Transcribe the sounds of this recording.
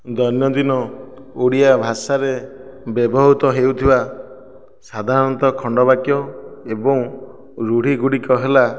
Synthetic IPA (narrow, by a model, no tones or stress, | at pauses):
d̪ɔɾnjɔd̪inɔ | oɽijabʱasaɾebebɔɦut̪ɔɦewt̪ʰiba | sad̪ʱaɾɔnt̪ɔkʰɔɳɖɔbakjɔebɔŋ | ɾuɽ̤iɡuɽikɔɦela